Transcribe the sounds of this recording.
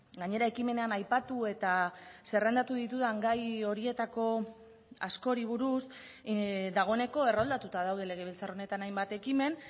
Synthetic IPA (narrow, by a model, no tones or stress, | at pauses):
ɡaɲe̞ɾae̞kime̞ne̞anajpat̪ue̞t̪ase̞rend̪at̪uð̞it̪uð̞aŋɡajo̞ɾie̞t̪ako̞ | asko̞ɾiβ̞uɾus | d̪aɣ̞o̞ene̞ko̞e̞rold̪at̪ut̪að̞awðe̞le̞ɣ̞e̞β̞elt͡saro̞ne̞t̪anajmbat̪e̞kime̞n